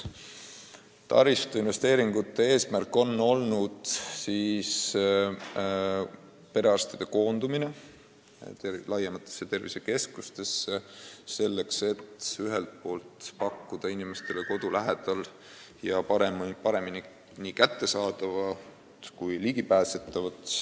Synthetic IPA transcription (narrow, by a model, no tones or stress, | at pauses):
t̪ɑ̰ɾist̪einve̞st̪e̞ːɾiŋɡut̪ːe̞e̞ːsmærkːˑo̞nːo̞lnud̪̥siːs | pe̞ɾeɑrst̪ɑd̪̥e̞ko̞ːnd̪̥umine̞ | t̪elɑjːemɑt̪ːˑesːet̪e̞rvise̞ke̞skust̪e̞sːeːe̞lːe̞kse̞t̪yɦelt̪̚po̞ːlt̪pɑkːud̪̥ɑinime̞st̪e̞leko̞d̪̥ulæɦed̪̥ɑl | jɑpɑɾempɑɾe̞mini | nikæt̪ːe̞sɑːd̪̥ɑvɑ | t̪kujliɡ̥ipæːse̞t̪ːˑɑvɑt̪